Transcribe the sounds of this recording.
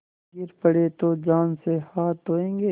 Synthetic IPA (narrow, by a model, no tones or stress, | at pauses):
ɡɪɾpɐɽeːt̪od͡ʒaːnsehaːt̪ɦoːẽːŋɡeː